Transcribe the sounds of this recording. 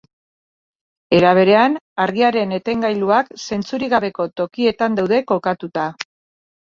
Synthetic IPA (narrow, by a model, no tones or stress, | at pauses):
e̞ɾaβ̞e̞ɾe̞anaɾɣiaɾe̞ne̞t̪e̞ŋɡajluakse̞nt͡suɾiɣaβe̞ko̞t̪o̞kie̞t̪and̪awðe̞ko̞kat̪ut̪a